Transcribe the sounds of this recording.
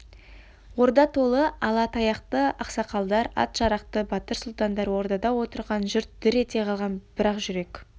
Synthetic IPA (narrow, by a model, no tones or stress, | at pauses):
wo̞ɾd̪ɑt̪ʰo̞lˠəɑlˠɑt̪ʰɑjɑqt̪əɑqsɑqɑlˠd̪ɑɾɑ̰t̪ʒ̥ɑɾɑqt̪əbɑt̪əɾsʊlˠt̪ɑnd̪ɑɾwo̞ɾd̪ɑd̪ɑwo̞t̪əɾʁɑnʒʏɾt̪̚d̪̥ʏɾe̞t̪e̞qʰɑlˠʁɑnb̥ɪɾɑqʒʏɾe̞k